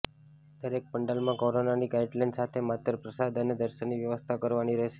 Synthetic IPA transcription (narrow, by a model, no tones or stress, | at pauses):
d̪̥əɾek̚pəɳɖəlmãkoɾonaniɡajɖlãɳɖsat̪ʰemat̪ɾəpɾəsad̪ʱəned̪əɾʃəniʋjəʋəst̪ʰakəɾʋaniɾəɦʃe